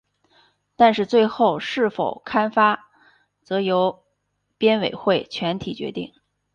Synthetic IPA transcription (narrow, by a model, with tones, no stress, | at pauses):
t̪a˥˧nʂɻ̩˥˧t͡swe˥˧ɪxo˥˧ʊʂɻ̩˥˩fo˨˩ʊkʰa˥nfa˥ | t͡sɤ˧˥jo˧˥ʊ | pjɛ˥nwe˨˩ɪxwe˥˩ɪt͡ɕʰɥɛ˧˥nt̪ʰi˨˩t͡ɕɥɛ̰˧˥t̪i˥˩ŋ